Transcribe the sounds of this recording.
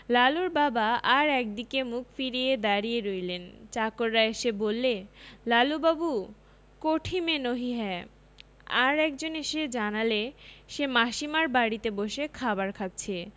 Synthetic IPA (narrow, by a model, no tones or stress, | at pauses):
laluɾbabaaɾɛk̚d̪ikemukfiɾied̪aɾijeɾojlent͡ɕakoɾːaeʃebolːelalubabu | koʈʰimenoɦiɦɛe | aɾɛk̚d͡ʑoneʃed͡ʑanaleʃemaʃimaɾbaɽit̪eboʃekʰabaɾkʰatːt͡ɕʰe